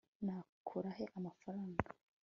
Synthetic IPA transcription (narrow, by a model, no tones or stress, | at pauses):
naːkʰuɾaɦe̞ʔamafaɾaːŋɡḁ